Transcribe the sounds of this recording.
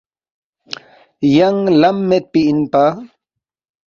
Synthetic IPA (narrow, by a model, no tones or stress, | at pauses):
jaŋlamːet̪̚piʔinpa